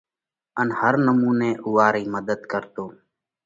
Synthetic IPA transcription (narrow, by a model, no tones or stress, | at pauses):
ənhəɾnəmuːneːʔuːaːɾiːməd̪əd̪kəɾt̪oː